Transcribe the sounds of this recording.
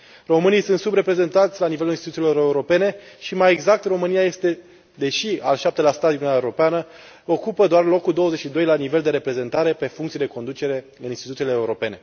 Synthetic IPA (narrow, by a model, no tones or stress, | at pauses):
ro̞mɨnijsuɨnt̪subɾe̞pɾe̞ze̞nt̪at̪sʲlanivelulinst̪t̪uilo̞ɾe̞uɾo̞pene̞ʃimaje̞ɡzak̚t̪ro̞mɨnijaje̞st̪e̞ | d̪e̞ʃia̰lʃap̚t̪elast̪at̪iununaeuɾopeanə | o̞kupəd̪oarlo̞kːuld̪o̞wəze̞t͡ʃʃid̪o̞jlanive̞ld̪e̞ɾe̞pɾe̞ze̞nt̪aɾe̞pe̞fuŋkt̪sijed̪e̞ko̞nd̪utt͡ʃe̞ɾe̞ | ɨninst̪it̪ut̪ileːuɾo̞pe̞ne̞